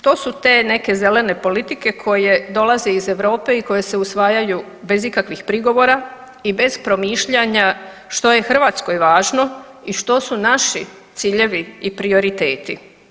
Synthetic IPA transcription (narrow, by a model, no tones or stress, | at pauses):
ʃt̪o̞sut̪e̞ːne̞ke̞ze̞le̞ne̞po̞lit̪ike̞kʰo̞je̞d̪o̞laze̞ize̞ʋɾo̞ːpe̞iko̞je̞se̞usʋaːjaju | be̞zikakʋixpɾiɡo̞ʋo̞ːɾa | ibe̞z̥pɾo̞miːʃʎaɲa | ʃt̪o̞je̞xr̩ʋat̪sko̞jʋaːʒno̞ | iʃt̪o̞sunaʃi | t̪siːʎe̞ʋiipɾio̞ɾit̪e̞ːt̪ḭ